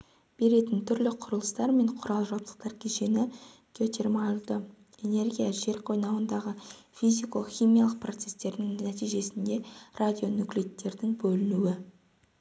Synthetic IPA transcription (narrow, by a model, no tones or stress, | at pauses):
b̥e̞ɾe̞t̪ɪnt̪ʰʏɾlɪqʰʊɾəlˠəst̪ɑɾme̞ɴqʰʊɾɑlˠʒɑwpt̪ə̥q̚t̪ɑɾkʲʰeʃe̞nɪ | ɡ̥ʲot̪e̞rmalˠd̪ə | e̞ne̞ɾɡʲijaʒe̞ɾqʰo̞jnɑwənd̪ɑʁəfijzijklˠəχʲijmijɑlˠəq̚pr̞t̪se̞st̪e̞ɾd̪ɪŋnæt̪ijʒe̞sɪnd̪e̞rad̪ʲijo̞nʊkʲlit̪ːe̞ɾd̪ɪŋbɵlɪnuwɪ